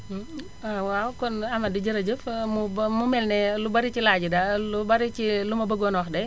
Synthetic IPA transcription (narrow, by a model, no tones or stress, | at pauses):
awawkɔnɐmɐdiɟəɾɐɟəfmumumɛlnɛlubɐɾicilaːɟidalubɐɾit͡ʃilumɐbəɡɔnɔxdɛ